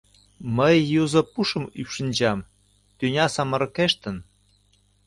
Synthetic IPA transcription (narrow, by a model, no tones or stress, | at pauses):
məjːuzə̆puʃə̆mypʃə̆nʲd͡ʑɑm | t̪ynʲɑsɑmɤ̆ɾɤ̆keʃt̪ən